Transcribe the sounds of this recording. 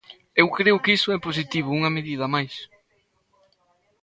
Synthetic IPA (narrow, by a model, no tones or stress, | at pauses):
ewkɾeʊkisʊɛpos̬it̪iβ̞ʊuŋɐmeðiðɐmajs